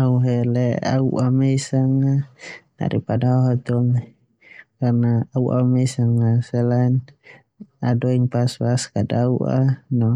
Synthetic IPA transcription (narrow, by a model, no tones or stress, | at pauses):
auɦɛlɛa̰uʔameisaŋana̰ɾipadauɦat̪ɔŋ | karnaːuʔa̰mɛisaŋasɛlan | adɔiŋpaspaskadauʔa̰nɔ